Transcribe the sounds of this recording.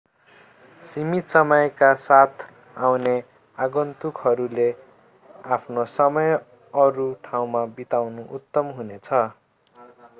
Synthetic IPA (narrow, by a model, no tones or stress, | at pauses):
simit̪sʌmʌjkasat̪ʰ | awne | aɡʌnt̪ukɦʌɾule | apʰnosʌmʌj | ʌɾuʈʰaw̃mabit̪awnuʔut̪ːʌmɦunet͡sʰʌ